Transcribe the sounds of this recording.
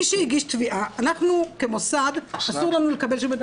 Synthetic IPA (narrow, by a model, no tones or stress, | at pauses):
iʃeiɡiʃt̪viʔaanaχnukemosad̪asuʁlanule̞kɐbe̞lʃ̬umed